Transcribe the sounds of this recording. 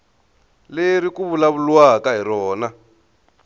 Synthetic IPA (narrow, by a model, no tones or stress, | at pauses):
lerikuβulaβuluwakaɦiɾɔːna